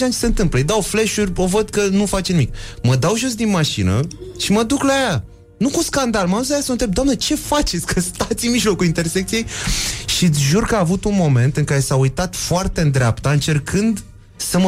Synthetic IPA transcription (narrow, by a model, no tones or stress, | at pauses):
ant͡ʃeseɨnt̪ɨmplejd̪awfleʃurʲovəd̪kənufat͡ʃenimikməd̪awʒo̞s̬d̪inmaʃinə̰ʃiməd̪uklaja | nukuskand̪alməauzlajasəənt̪ɾe̞bd̪oamnet͡ʃe̞fat͡ʃet̪sʲkəst̪at̪sʲiɨmiʒlo̞kulint̪e̞rsek̚t̪ije̞jʃit̪sʲʒurkəaːvut̪unmo̞me̞nt̪ɨŋkaɾe̞saujt̪at̪foart̪end̪ɾʲeapt̪aɨnt͡ʃe̞rkʰɨnd̪ | səmə